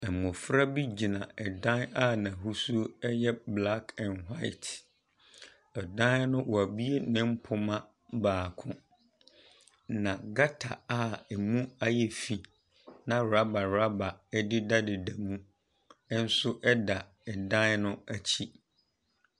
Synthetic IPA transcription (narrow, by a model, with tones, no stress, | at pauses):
ɛ˨mʊ̃˨fɾa˦bi˦d͡ʑi˨nã˨ɛ˨dã˦na˦˨nã˨ɦu˦su˦ɛ˦jɛ˦bla˦kʰɛ̃˨nɦa˦ɪ˦t | ɛ˨dã˦nnʊ̃˦wɔ˨a˨bi˦e˦nɪ̃˦m̩˦pʰʊ˨mã˦ | baː˨kʰʊ̃˦ | nã˨ɡa˦tʰa̰˨a˦ɛ˨mũ˦a˦jɛ˨fi˨ | nã˨ɾa˦ba˨ɾa˦ba˨ɛ˦dɪ˦da˦dɪ˨da˨mũ˦ | n̩˦sʊ˦ʔɛ˦da˨ | ɛ˨dã˦nnʊ̃˦a˨t͡ɕʰi˦